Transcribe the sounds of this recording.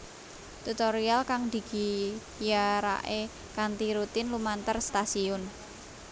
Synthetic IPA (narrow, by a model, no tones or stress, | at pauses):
t̪ut̪oɾialkaŋd̪̥i̤ɡ̥i̤ | jaɾa̰ʔe | kant̪iɾut̪ɪnlumant̪ərst̪asiʊn